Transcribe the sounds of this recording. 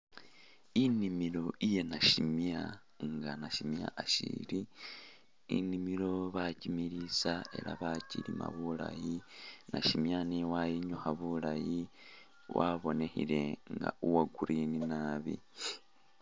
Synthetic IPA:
inimilo̞ije̞naʃimja | ŋɡanaʃimja̰ʔaʃḭli | ḭnimilo̞βacimiɾisae̞̰ɾa̰βacilima̰βula̰jinaʃimjaniwajiɲuxaβulaji | wʔaβo̞ne̞hile̞ŋɡa̰uwaɡuɾʔininaːβḭ

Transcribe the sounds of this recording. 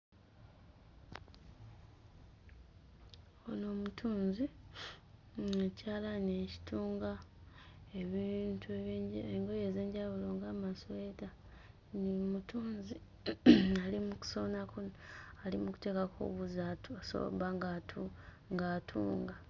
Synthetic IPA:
ono̞ːmutʰuːnzi | ecaːlaneci̥tuːŋɡa | eβintʰueeŋɡo̞je̞ze̞ːɲɟaβulo̞ŋɡamasoeta | niomutuːnzi | alimuku̥sonakoalimuku̥te̞kako̰βuzatuaso̰βaŋɡatʰu | ŋɡaːtʰṵːŋɡa

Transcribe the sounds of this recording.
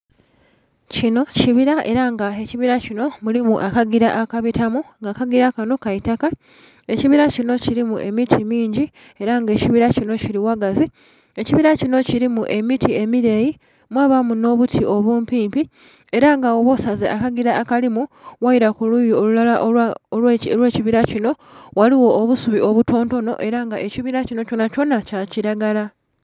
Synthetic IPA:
cino̞ciβiɾaʔe̞ɾaŋɡae̞ciβiɾacino̞mulimuʔakaɡiɾaʔakaβitamuŋɡakaɡiɾakano̞kaitaka | e̞ciβiɾacino̞ciɾimuʔe̞mitʰimiːɲɟi | e̞ɾaŋɡe̞ciβiɾacino̞ciɾiwaɡazi | e̞ciβiɾacino̞ciɾimuʔe̞mitie̞miɾe̞ji | mwaːβamuno̞ːβutʰiʔo̞βuːmpiːmpi | e̞ɾaŋɡaoβo̞sazeʔakaɡiɾaːkalimuwaiɾakulujiolulalaʔelwe̞ːciβiɾacino̞waliwo̞ːβusuβiʔo̞βuto̞ːnto̞no̞̰ʔe̞ɾaŋɡaʔe̞ciβiɾacino̞co̞naco̞nacaciɾaɡala

